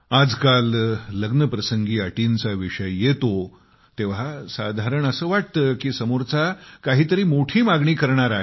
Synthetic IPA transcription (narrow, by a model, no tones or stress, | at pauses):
ad͡zkalːəɡnəpɾəsəŋɡiːaʈint͡saʋiʂəjjet̪o | t̪eʋ̤asad̪ʱaɾəɳəsəːʋaʈ̚t̪əkiːsəmuɾt͡sakaɦiːt̪əɾiːmoʈʰiːmaɡɳiːkəɾɳ̃aɾaɦe